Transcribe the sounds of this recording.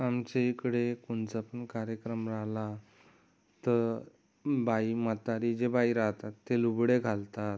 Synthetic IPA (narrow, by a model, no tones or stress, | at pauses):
amt͡ɕeikɽekuɳt͡sapəɳkaɾjəkɾəmɾala | t̪əɾ | baimət̪aɾid͡ʑebaiɾaɦt̪at̪ːelubɽeɡʱalt̪at̪